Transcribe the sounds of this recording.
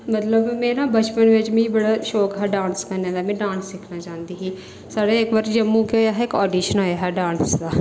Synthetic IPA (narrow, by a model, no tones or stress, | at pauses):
mət̪ləbmẽːɾãːbət͡ʃpənʋɪt͡ʃmĩːbəɽaːʃoːkɦɛːɖãːnskəɾnẽːd̪aːmɛ̃ːɖãːnsːɪkʰnaːt͡ʃãːnd̪iːɦiː | saːɽeːɪkʋaːɾd͡ʒəmːũːkoːjaːɦɪkɔːɖiːʃənoːjaːɦɛːɖãːnsd̪aː